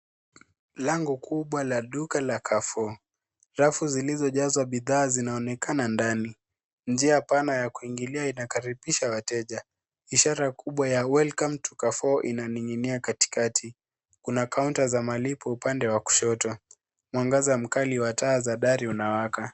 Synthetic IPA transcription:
laŋɡukuɓwalaɗukalakʰafɔ | ɾafuzilizɔʄazwaɓiðaːzinaɔnɛkanandani | nd͡ʒiapanajakuiŋɡiliainakaɾipiʃawatɛʄa | iʃaɾakuɓwajawɛlkamtu̥kafɔʔinaniŋiniakati̥katʰi | kunakauntazamalipɔupandɛwaku̥ʃɔtɔ | mwaŋɡazam̩kaliwataːzaɗaɾiunawaka

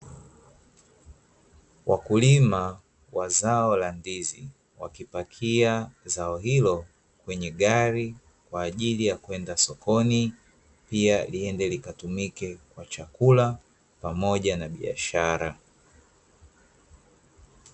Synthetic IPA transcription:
wʔakulima | wazaɔlandizi | wa̰kipakʰiazaɔɦilɔ | kwɛɲɛɠaɾi | kwaːʄilijakwɛndasɔkɔni | pialiɛndɛlikatumikɛkwat͡ʃakula | pamɔʄanaɓia̰ʃaɾa

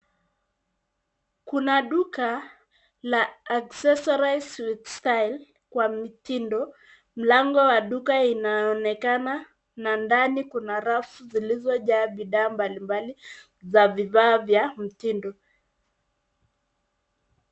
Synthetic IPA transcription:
kunaɗuka | laːksɛsɔɾaswitstajl | kwamitindɔ | m̩laŋɡɔwaɗukainaɔnɛkana | nandanikunaɾafuzilizɔʄaːɓiɗaːmbalimbali | zavivaːvjam̩tindɔ

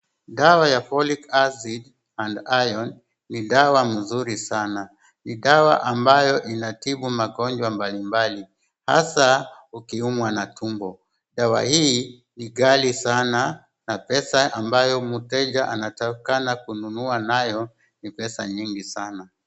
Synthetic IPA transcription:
ɗawajafɔlikasid | handajɔnː | iɗawam̩zuɾisana | niɗawaʔambajɔʔinatiɓumaɠɔɲd͡ʒwambalimbali | ha̰sa | ukiumwanatʰumbɔ | ɗawa̰hiː | niɡalisana | napɛsaʔambajɔmutɛd͡ʒaʔanatakanakununuanajɔ | nipɛsa̰ɲiŋɡisana

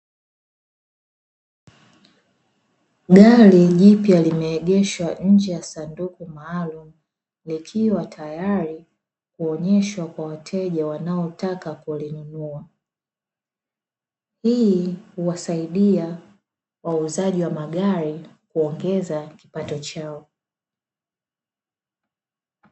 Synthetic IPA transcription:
ɡaɾiʄipjalimɛːɠɛʃwaɲ̩d͡ʒɛjasandukumaːlum̩ | likʰiwatʰajaɾi | kuɔɲɛʃwakwawatʰɛʄawanaɔtakakulinunua | hiːhuwasaiɗia | wauzaʄiwamaɠaɾikuɔŋɡɛzaki̥patɔt͡ʃaɔ

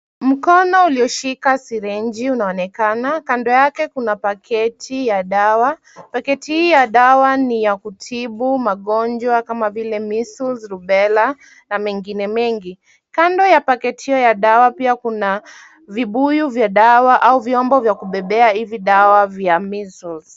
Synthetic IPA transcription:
m̩kɔnɔuliɔʃikasiɾɛnd͡ʒiunaɔnɛkanakandɔjakɛkunapakʰɛtʰijaɗawa | pakɛtihiːjaɗawanijakutʰiɓumaɠɔnd͡ʒwakamavilɛmisulzɾuɓɛla | namɛŋɡinɛmɛŋɡi | kandɔjapakɛtihiɔjaɗawapiakuna | viɓujuvjaɗawaʔauviɔmbɔvjakuɓɛɓɛaiviɗawavjamisulz̥

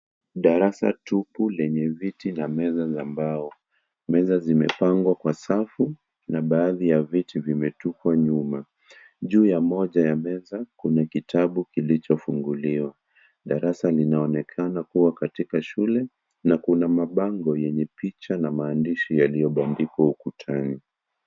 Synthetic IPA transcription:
ɗaɾasa̰tupulɛɲɛvitinamɛzazambaɔ | mɛzazimɛ̰paŋɡwakwasafu | naɓaːðijavitivimɛtukwaɲuma | ʄuːjamɔʄajamɛzakunakitʰaɓukilit͡ʃɔfuŋɡuliwa | ɗaɾasalinaɔnɛkʰanakuwakatikaʃulɛ | nakunamaɓaŋɡɔjɛɲɛpit͡ʃanamaːndiʃijalijɔɓandikwaukutʰani

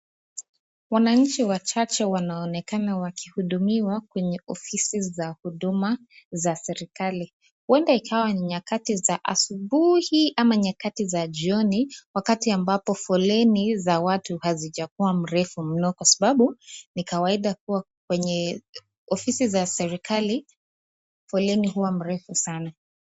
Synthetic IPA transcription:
wanaɲ̩t͡ʃiwat͡ʃat͡ʃɛwanaɔnɛkanawakihuɗumiwakwɛɲɛʔɔfisizahuɗuma | zasɛɾikali | huɛndaikʰawaniɲakatizaʔa̰suɓuhiʔamaɲakatizaʄiɔniwakatiambapɔfɔlɛnizawatuhazit͡ʃakuwam̩ɾɛfum̩nɔkwasaɓaɓunikawaiɗakuwa | k̚wɛɲɛ | ɔfisizasɛɾikali | fɔlɛnihuwam̩ɾɛfusana

